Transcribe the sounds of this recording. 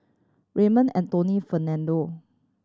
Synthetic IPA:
ɹemə̃nɛ̰̃ntonifənɛ̃ndo

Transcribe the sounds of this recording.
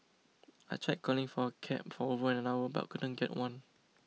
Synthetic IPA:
a̰t͡ʃʰɹak̚kʰːɔlɪ̃ŋfɔəkʰɛ̰̃p̚fɔovəɛ̃nə̃nawəba̰ʔkudə̃nɡɛʔwãn

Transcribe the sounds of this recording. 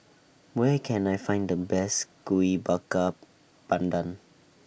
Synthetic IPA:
wɛkʰɛ̃najfãɪ̃ndəbɛsɡ̥uibakə | b̥ãndə̃n

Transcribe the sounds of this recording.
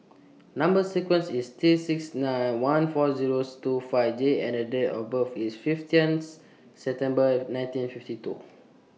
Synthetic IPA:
nãmbəsikwə̃nsist̪ɹisiksnãjnwãnfɔziɹostufafd͡ʒeɛ̰̃nədetɔbəfisfiftĩns | sɛp̚t̪ɛ̃mbənãj̃ntĩnfiftitṵ

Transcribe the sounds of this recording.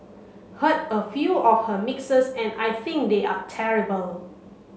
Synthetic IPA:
hətəfjuɔfhəmɪksəsɛ̃najθĩŋk̚d̪eʔatʰɛɹibəl

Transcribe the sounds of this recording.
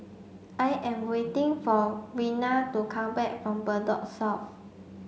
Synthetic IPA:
ʔajʔɛ̃mwetĩŋfɔwinatukʰãmbɛk̚fɹɔ̃mbədɔ̰k̚sɔf

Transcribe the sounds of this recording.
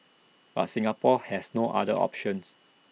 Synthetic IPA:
b̥a̰tsĩŋapɔhɛsnoʔa̰dəʔɔ̰pʃɔ̃ns

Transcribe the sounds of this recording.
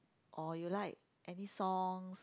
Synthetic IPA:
ʔɔjulaɪk̚ | ʔɛnisɔŋs

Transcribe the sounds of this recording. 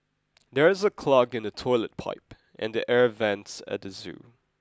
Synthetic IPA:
ðɛɹɪzəkʰl̥ʌɡɨ̃nətʰɔɪlət̚pʰa̰ɪp | ʔɛ̰̃ndiʔɛɹvɛ̃ntsə̰t̚ðəzʉ̰

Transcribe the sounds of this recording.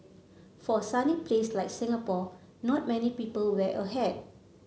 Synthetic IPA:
fɔsanipleslaɪjk̚sɪ̃ŋapɔ | nɔt̚mɛnipipəlwɛʔəɦɛd̚

